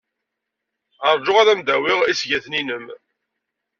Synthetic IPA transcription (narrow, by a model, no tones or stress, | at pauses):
ɑɾˤd͡ʒʊʁaðæmd̪æwɪʁisʝæθninəm